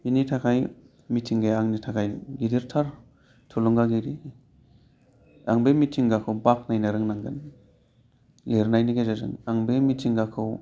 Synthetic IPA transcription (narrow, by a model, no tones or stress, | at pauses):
initʰakʰaj | mitʰiŋɡajaŋnitʰakʰajɡidiɾtʰaɾ | tʰolɔŋɡaɡiɾi | a̰ŋbemitʰiŋɡakʰawbak̚najnaɾɯŋnaŋɡɯn | leɾnajniɡazazɯ̰ŋaŋbemitʰiŋɡakʰɯw